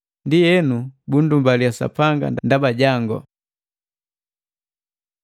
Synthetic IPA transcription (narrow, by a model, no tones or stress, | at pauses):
ndijɛnubundumbaliasa̰paŋɡa̰nndabaɟaŋɡɔ̰